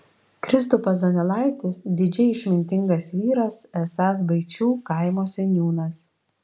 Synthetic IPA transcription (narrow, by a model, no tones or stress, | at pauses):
kɾʲɪs̬t̪ʊpɐs̬d̪ɔnʲɛlˠɐˑɪt̪ʲɪsd̪ʲɪd͡ʒʲɛɪɪʃʲmʲɪnʲt̪ʲɪŋɡɐsʋʲiːɾɐsɛsɑːs̬bɐɪt͡ʃʲuːkɐɪmoːsʲɛnʲjuːnɐs